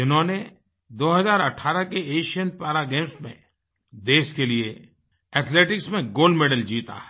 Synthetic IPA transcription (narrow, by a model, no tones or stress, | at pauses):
ɪnɦõːne | d̪oːɦəzaːɾɐʈʰːaːɾəkeeːʃijənpaːɾaɡeːmsmḛ̃ | d̪eːʃkelie | ɛːt̪ʰleːʈɪksmẽɡoːlɖmeːɖəld͡ʒiːt̪a̰ɛ